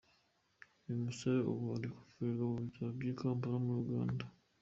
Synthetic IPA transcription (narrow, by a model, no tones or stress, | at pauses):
imuseo̰βaɾiku̥fiɾauβitʰabɡiːkaːmpaɾamuɾuɡa̰ːnda